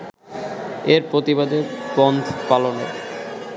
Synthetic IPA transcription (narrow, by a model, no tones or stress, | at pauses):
eɾpɾot̪ibad̪ebɔnd̪ʱpalono